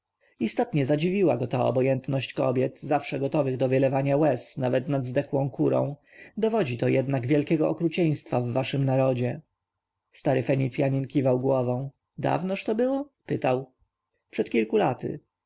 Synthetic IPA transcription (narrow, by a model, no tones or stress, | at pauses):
ist̪ɔt̪ɲɛzad͡ʑivʲiwaɡɔt̪aɔ̰bɔjɛnt̪nɔɕt͡ɕkɔ̰bʲjɛt̪zafʂɛɡɔt̪ɔvɘɣd̪ɔvʲəlɛvaɲawɛsnavɛt̪nad̪zd̪ɛxwɔ̃w̃kʰuɾɔ̰̃w̃ | d̪ɔvɔd͡ʑit̪ɔjɛd̪naɡvʲjɛlkʲɛɡɔɔkɾut͡ɕɛj̃st̪favːaʂɘmnaɾɔd͡ʑɛ | st̪aɾɘfɛɲit̪sʲjaɲinkʲivawɡwɔvɔ̃w̃ | d̪a̰vnɔʂt̪ɔbɘwɔpɘt̪aw | pʂɛt̪kʲilkulat̪ɘ̰